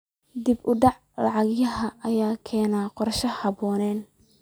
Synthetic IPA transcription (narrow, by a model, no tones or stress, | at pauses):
d̪ibʊɖɑʕ | lɑʕɑɣjɐɦɐʔɐjaːkʰɛːnaːqɔɾʃɐhɑbɔːnɛːn